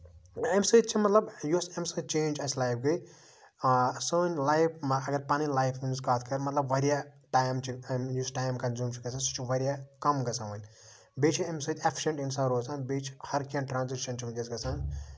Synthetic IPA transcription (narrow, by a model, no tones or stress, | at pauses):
emsɨːt̪̚t͡ʃʰimɐt̪lɐbjusemsɨt͡ʃẽːnʲd͡ʒɐslaːjp̚ʰɡɨ | sɨːnʲlajpʰɐɡɐɾpɐnilaːjpʰmunzkaːt̪ʰkɐɾmɐt̪lɐbʋɐɾijaʈaːjmt͡ʃʰijusʈaːjmkɐnzuːmt͡ʃʰiɡɐsʰasut͡ʃʰiʋɐɾʲjakɐmɡɐsaʋɐnʲ | beːt͡ʃʰiemsɨt̪ʰʲepʰːi̥ʃeɳʈinsaɾoːsanbeːt͡ʃʰi̥hɐɾkẽːɳʈʈɾaːnzikʃɐnt͡ʃʰiund͡ʒ̪ʲɐsɡɐsʰan